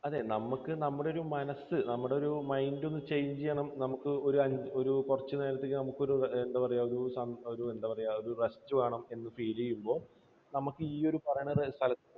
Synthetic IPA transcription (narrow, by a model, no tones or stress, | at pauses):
ɐðe̞ːnɐmukːɨnɐmːuɽeo̞ɾumɐnɐsɨnɐmːuɽe̞oɾumɐjndo̞nːɨt͡ɕe̞jɲd͡ʑijːɐɳɐmnɐmukːɨo̞ɾuɐɲoɾukurɐt͡ɕːɨneːɾɐt̪ːekːɨnɐmukːo̞ɾuend̪aːpɐrɐjaːoɾusɐnoɾue̞nd̪aːpɐrɐjaːo̞ɾurɐstːɨʋaːɳɐme̞nːɨfiːlejumbo̞ːl | nɐmukːɨiːo̞ɾupɐrɐjaɳst̪ʰɐlɐt̪ː